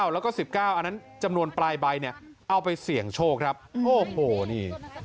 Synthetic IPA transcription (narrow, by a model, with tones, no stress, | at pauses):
wlɛː˦˥wkɔː˥˩si˨˩p̚kaː˥˩wʔa˧nːa˦˥nt͡ɕa˧mnu˧ənplaː˧jba˧jni˥˩ə | ʔa˧wpa˧jsi˨˩˦əŋt͡ɕʰoː˥˩kʰɾa˦˥p̚oː˧˩hoː˨˩niː˥˩